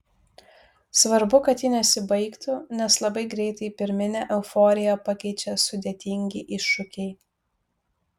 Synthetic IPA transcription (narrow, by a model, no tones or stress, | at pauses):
sʋɐɾbʊkɐt̪ʲjinʲɛsʲɪbɐɪkt̪ʊnʲɛslˠɐbɐɪɡɾʲɛɪt̪ɐɪpʲɪɾʲmʲɪnʲɛːʔɛʊfɔːɾʲɪjɛpɑkʲɛɪt͡ʃʲɛsʊd̪ʲɛt̪ʲɪŋʲɡʲɪʔɪʃːʊkʲɛɪ